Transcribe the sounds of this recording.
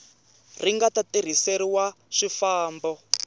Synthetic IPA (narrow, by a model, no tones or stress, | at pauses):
r̤iŋɡatatiɾ̤iseɾiwa | ʂifaːmbɔ